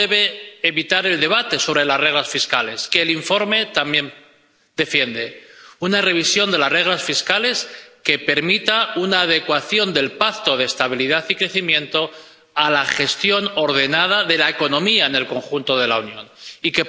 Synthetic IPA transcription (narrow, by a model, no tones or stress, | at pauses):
eβe̞ːβit̪aɾe̞ld̪e̞βat̪e̞so̞β̞ɾelazreɣlasfiskale̞ske̞ːliɱfo̞ɾme̞t̪ambje̞n | d̪e̞fje̞nd̪e̞unare̞βisjo̞nd̪e̞lazre̞ɣ̞lasfiskale̞ske̞pe̞ɾmit̪aunaːð̞e̞kwaθjo̞nd̪e̞lpak̚t̪o̞ðe̞ːst̪aβ̞iliðaθikɾe̞θimjẽ̞nt̪o̞ | alaχe̞st̪jo̞no̞ɾð̞e̞nað̞aðe̞laeko̞nõ̞miaene̞lko̞ŋxunt̪o̞ð̞e̞la̰unjõ̞̰nike̞